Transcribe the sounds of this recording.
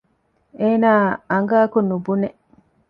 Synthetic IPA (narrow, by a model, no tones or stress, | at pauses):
eːnaːaŋɡaːkunubune